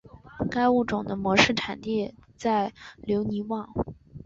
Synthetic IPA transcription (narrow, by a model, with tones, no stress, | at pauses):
ka˥ɪu˥˩ʈ͡ʂʊ˨˩ŋd̪ə˦mwɔ˧˥ʂɻ̩˥˩ʈ͡ʂʰa˨˩nt̪jɛ˥˧t͡sa˥˩ɪljo˧˥ʊni˧˥wɑ˨˩˦ŋ